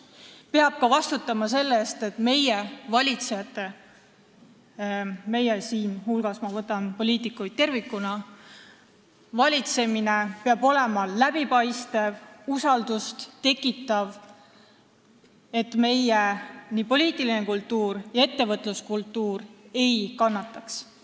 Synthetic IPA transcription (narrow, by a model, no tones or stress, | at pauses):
pe̞ɑb̥̚kɑvɑst̪ut̪ːˑɑmɑse̞lːe̞st̪e̞t̪me̞je̞vɑlʲit̪sejɑt̪ːe | me̞jesiːnhulɡ̥ɑsmɑvɤt̪ːˑɑnpo̞liːt̪ˑikːujd̪̥̚t̪ːe̞rvikːˑunɑ | vɑlʲit̪se̞mine̞peɑb̥o̞le̞mɑlæb̥ipɑjst̪e̞vusɑld̪̥ust̪t̪e̞kːˑit̪ːˑɑv | e̞t̪me̞jeniːpo̞liːt̪ˑilinekult̪ːuːrjɑe̞t̪ːe̞vɤt̪ːˑluskult̪ːˑuːre̞jkɑnːɑt̪ːˑɑks